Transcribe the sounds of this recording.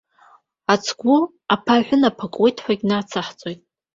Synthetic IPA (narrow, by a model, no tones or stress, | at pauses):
at͡sʰɡʷʊ | apʰaħʷᶣʊnapʰakʷʼwejtʰʼħʷaɡʲnat͡sʰaħt͡sʼo̞jtʼ